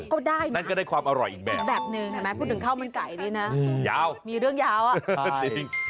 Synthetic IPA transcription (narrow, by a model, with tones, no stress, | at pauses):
kɔː˥˩daː˥˩jnna˥˩nkɔ˥˩daː˥˩jkʰwaː˧mʔa˧ɾɔ̰˨˩jʔiː˨˩k̚bɛ̰ː˨˩k̚bɛː˨˩p̚nɯ˧ŋ˨˩mɛː˦˥pʰu˥˩t̪̚nʰː˩ɯ˩˦ŋkʰa˥˩wma˧nka˨˩jniː˦˥na˦˥ja̰ː˦˧wmiː˧ɾɯ˥˩əŋjaː˦˥wʔa˨˩t͡ɕi˧ŋ